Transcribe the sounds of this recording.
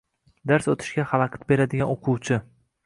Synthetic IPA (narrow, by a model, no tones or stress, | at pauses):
d̪aɾsot̪ʰɪ̥ʃkʲahɑlˠɑqʰʲɑ̥t̪̚be̞ɾad̪ɪɡʲanoqʰʊwt͡ʃʰɪ